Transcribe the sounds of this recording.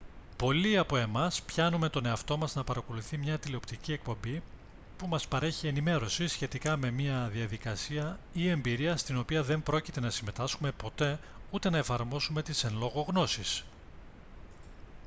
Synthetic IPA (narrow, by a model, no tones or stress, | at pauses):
po̞liɐpo̞e̞mɐspçɐnume̞t̪o̞ne̞ɐft̪o̞mɐznɐpɐɾɐko̞luθimɲɐt̪ileo̞pt̪icie̞k̚po̞mbi | pumɐspɐɾe̞çie̞nime̞ɾo̞sisçe̞t̪ikɐme̞miɐðiɐðikɐsiɐie̞mbiɾiɐst̪ino̞piɐðe̞mbɾo̞cit̪e̞nɐsime̞t̪ɐskume̞po̞t̪e̞ut̪e̞nɐe̞fɐɾmo̞sume̞t̪isenlo̞ɣo̞ɣno̞sis